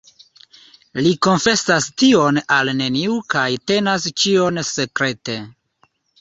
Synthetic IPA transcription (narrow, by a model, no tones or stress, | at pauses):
liko̞nfe̞sastio̞nalne̞niukajte̞nast͡ʃio̞nse̞kɾe̞te̞